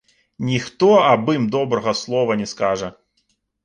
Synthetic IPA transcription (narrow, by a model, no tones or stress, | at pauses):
nʲixt̪ɔɐbɨmd̪ɔbɾɐɣɐslˠɔvɐnʲɛskaʐɐ